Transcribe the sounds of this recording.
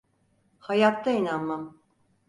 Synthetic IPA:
hajat̪ːainanmam

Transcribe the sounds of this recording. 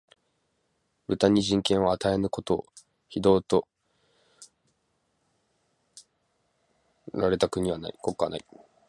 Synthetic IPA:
ɾɯ̟t̪aɲ̟iʑĩŋkẽ̞ɰ̃oat̪ae̞nɯ̟ko̞t̪o̞̰ː | çid̪o̞ːt̪o̞ | ɾaɾe̞t̪akɯ̟ɲ̟iβana̰iko̞kːana̰i

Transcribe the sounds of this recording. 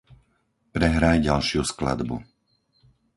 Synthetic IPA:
pɾɛɦɾajɟalʃɪuskla̰d̪bṵ

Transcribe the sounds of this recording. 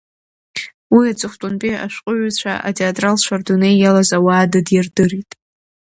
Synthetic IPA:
wiat͡sʷʼɨχʷtʼʊnpʼia̰ʃʷqʼʊɥt͡ɕʷʰa̰ʔa̰tʰeatʼralt͡ʃʷʰardunejːalazawaːdadjardɨritʼ

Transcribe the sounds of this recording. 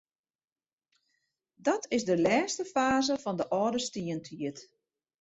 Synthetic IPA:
dɔtʰɪzdəlɛːstəfaːzəfɔndəʔɔːdəstiəntʰiət

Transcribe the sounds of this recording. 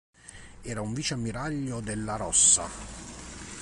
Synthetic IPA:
ɛːɾauɱviːt͡ʃamːiɾaʎːod̪elːaɾɔsːa̰

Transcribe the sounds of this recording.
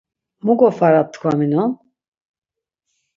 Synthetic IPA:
muɡɔfaɾap̚t̪ʰkʰvaminɔ

